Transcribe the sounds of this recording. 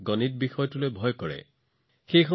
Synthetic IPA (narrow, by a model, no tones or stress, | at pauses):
ɡɔnit̚bixɔjtulojbʱɔjkɔɹɛ̰ | xejxɔ